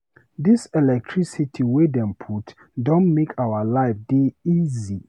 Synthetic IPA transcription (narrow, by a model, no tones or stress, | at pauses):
d̪isɛlɛk̚tʰɹisitʰiwedɛ̃mpʰut | dɔ̃nmekʰawalaɪfdeizi